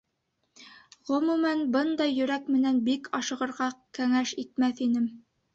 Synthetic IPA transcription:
ʁɵ̆mumænbɤnd̪ɑjːɵ̆ɾækmɘ̆nænbikʰɑʃɤ̆ʁɤ̆ɾʁɑkæŋæʃit̪mæθinɘm

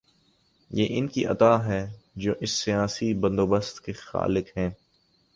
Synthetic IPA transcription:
jeːʔɪnkiʔɐ̰t̪aːɦɛːd͡ʒoːʔɪsːijaːsibɐ̃nd̪oːbəst̪kexa̰ːlɪkɦɛ̃ː

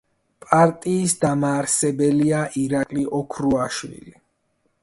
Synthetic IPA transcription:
pʼaɾt̪ʼiːsd̪amaːɾsɛbɛliaʔiɾakʼliʔɔkʰɾuaʃwḭli

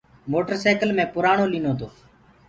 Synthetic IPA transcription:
moːʈəɾsaːkəlmẽːpʊɾaːɳoːliːnoːt̪oː

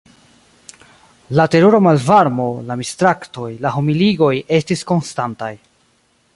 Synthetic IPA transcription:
late̞ɾuɾo̞malvaɾmo̞lamistɾakto̞jlaɦomiliɡo̞je̞stisko̞nstantaj

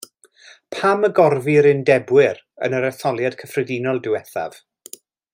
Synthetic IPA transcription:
pʰaməɡɔrviɾɪndɛbwɪɾ | ə̰nəɾɛθɔlˠjad̥kʰəfrɛdinɔlˠdɪwɛθa̰v̥

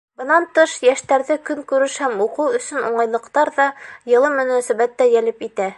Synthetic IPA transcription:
bɤ̆nɑnt̪ɤʃjæʃt̪æɾðɘkɵŋkʉɾɘʃhæmuqɤwɵ̆sɵnuɴɑjlˠɤ̆qt̪ɑɾðɑjɤ̆lˠɤmɵ̆næsæβæt̪ːæjælɘpit̪æ

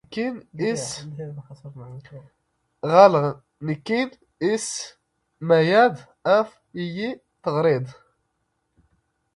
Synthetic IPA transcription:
kinis | ɣæl | nikːin | is | mæjæd̪ | æf | iji | t̪əɣɾid̪ˤ

